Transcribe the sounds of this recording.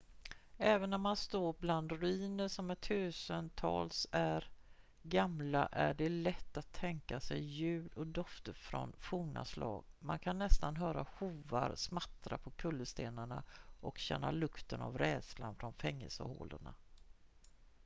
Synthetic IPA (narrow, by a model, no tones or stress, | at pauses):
ɛːvənɔmmanst̪oːɾbland̪ɾɵiːnəʂɔmæʈʰʉ̟ːsənt̪ʰɑ̰ːlsæɾ | ɡamlaʔæɖɛlɛt̪ːat̪ʰːɛŋkasɛjːʉ̟ːd̪ɔd̪ɔft̪əɾfɾɔ̰nfuːna̰slɑ̰ːɡmankʰanːɛst̪anɦœːɾahuːvaɾsmat̪ːɾapʰɔkʰɵlːəst̪eːnaɳaʔɔkɕɛnːalɵkt̪əna̰vɾɛːd̪sla̰nfɾɔnfɛŋːəlsə̰ho̰ːləɳa